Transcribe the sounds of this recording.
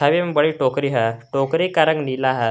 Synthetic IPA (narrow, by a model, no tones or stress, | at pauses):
aʋembəɭiʈokɾiɦaʈokɾikaɾəŋɡnilaɦa